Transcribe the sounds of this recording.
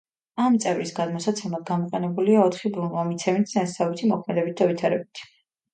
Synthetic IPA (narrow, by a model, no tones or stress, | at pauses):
amt̪sʼɛvɾisɡad̪mɔsat̪sʰɛmlˠad̪̚ɡamɔqʼɛnɛbuliaɔt̪ʰχibɾunvamit̪sʰɛmit̪ʰast̪avit̪ʰimɔkʰmɛd̪ɛbit̪̚d̪avit̪ʰaɾɛbit̪ʰi̥